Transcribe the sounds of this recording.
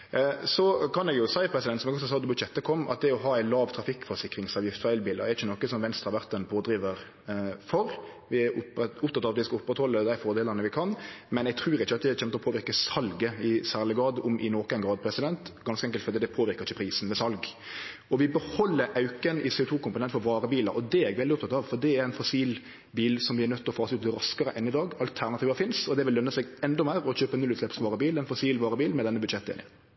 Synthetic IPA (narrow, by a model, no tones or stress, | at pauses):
sɔkʰɑnɛɡjʊsæɪpʰɾɛsɪd̪ɛnt̪sɔmɛɡɔssɑːd̪ɔbʉʃɛt̪ːəkʰɔmːɑ̰t̪̚d̪ɛɾɔɦɑːæɪlɑːʋt̪ʰɾɑfɪkːfɔɾsɪkːɾɪŋsɑːʋjɪft̪fæɪlbiːləʁd̪ɛɾɪçənɔkːəsɔmʋɛnst̪ʁɑʁʋæʁt̪ɛnpʰoːd̪ɾiːʋəɾ | fɔɾʋɪæɾʊpʊpt̪ʰɑt̪ːɑʋɑt̪ʋɪskɑʊpːʁət̪hɔlːəd̪æɪfɔːɾd̪eːləʁnəʋɪkʰɑnmɛnɛɡ̚t̪ʰɾʉːɾɪt͡ʃːəɑt̪̚d̪ɛɛçɛmt̪əɔpʰoːʋɪɾkəsɑlɡəɪsæːʁlɪɡɾɑːd̪ʊmʔɪnoːkæɪnɡɾɑːd̪̚pʰɾɛsɪd̪ɛnt̪ɡɑnskəɛŋkəlt̪fɔɾd̪ɛd̪ɛpʰoːʋɪɾkəɾɪçːəpʰɾiːsn̩mɛsɑlɡ | ɔʋɪbəhɔlːəɾʔɑʉkənɪseːʊt̪ʰuːkʰʊmpʊnɛnfɔɾʋɑːɾəbiːlɑ̰ʔɔd̪ɛɛɡʋɛld̪ɪʊp̚t̪ʰɑt̪ɑʋfɔd̪ɛæɾɛnfɔsiːl | biːlsɔmʋɪɛɾnœt̪ːɔfɑːsəʉːt̪̚d̪ɛɾɑskəɾəʔɛnːɪd̪ɑːɡɑlt̪ʰæʁnɑt̪ʰiːʋəfɪnsɔd̪ɛʋɪlːœnːəsɛɡɛnd̪ɔmæɪɾɔɕøːpənʉlʉːtslɛpsʋɑːʁəbiːlɛnfɔsiːlʋɑːɾəbiːlmɛd̪ɛnːəbʉd̪ʃɛt̪ːɪ̰nɪ̰